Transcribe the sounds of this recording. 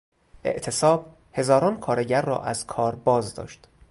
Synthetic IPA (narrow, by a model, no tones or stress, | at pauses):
ʔe̞̰ʔt̪ʰe̞sɒːb̥̚ | he̞zɒːɾɒːnkʰɒːɾe̞ɟæɾːɒ̰ːʔæzkʰɒːɾbɒːzd̪ɒ̰ːʃt̪